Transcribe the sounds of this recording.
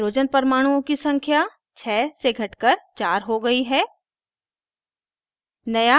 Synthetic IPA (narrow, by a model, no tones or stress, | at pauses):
ɾoːd͡ʒənpɐɾmaːɽ̃uõkisɐ̃ŋkʰja | t͡ʃʰɛːseɡʱɐʈkəɾt͡ʃaːɾɦoɡɐiɦɛː | nɐja